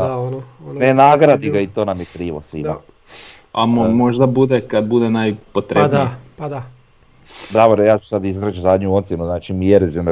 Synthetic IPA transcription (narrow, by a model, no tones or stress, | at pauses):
onnenaːɡɾad̪iɡait̪oːnamjɛkɾiːʋo̰sʋḭːma | a̰momoʒd̪abud̪ekad̪̚bud̪enajpot̪ɾed̪id̪a | d̪ɾaboɾojaːt͡ʃu̥sad̪izɾat͡ʃzaːd̪ɲuont̪sinuznaːt͡ʃimieɾezin